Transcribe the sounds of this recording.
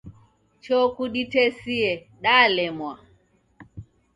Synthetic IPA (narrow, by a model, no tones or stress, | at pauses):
t͡ʃɔkuɗitɛsiɛ | ɗaːlɛmwa